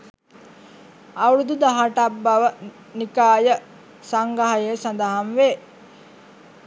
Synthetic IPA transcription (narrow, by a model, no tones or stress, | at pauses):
ɐuɾud̪ud̪aɦaʈabːɐʋə | nikaːjə | saŋɡaɦajesand̪əɦanʋe